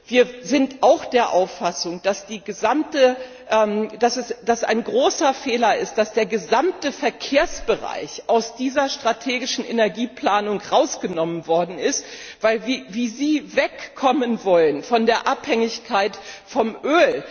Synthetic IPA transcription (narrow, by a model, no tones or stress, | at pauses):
viːɐzɪntʔaʊxd̥eːɐʔaʊfasʊŋd̥asd̥iːɡəzamtə | ʔɛːmd̥asɛsd̥asa̰ɪnɡʁoːsɐfeːlɐɪstd̥asd̥eːɐɡəzamtəfɛɐkʰeːɐsb̥əʁa̰ɪçʔaʊsd̥iːzɐʃtʁ̥atʰeːɡɪʃn̩ʔenɛɐɡiːpl̥aːnʊŋʁaʊsɡ̥ənɔmənvɔɐdn̩ɪstv̥aɪlviːviːziːvɛkʰːɔmənvɔlənfɔndeːɐʔaphɛŋɪçkʰaɪtfɔmʔøːl